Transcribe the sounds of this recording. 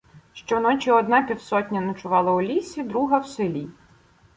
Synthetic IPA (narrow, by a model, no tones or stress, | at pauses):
ʃt͡ʃɔnɔt͡ʃʲiɔd̪nɑpʲiwsɔtʲnʲɐnɐt͡ʃʊʋɑlˠɐʊlʲisʲid̪ɾuɦɐwsɪlʲi